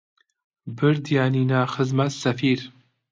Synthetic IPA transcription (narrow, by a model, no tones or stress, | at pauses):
bɨɾd̪ijaːniːnaːxɨzmɐt̪sɐfiːɾ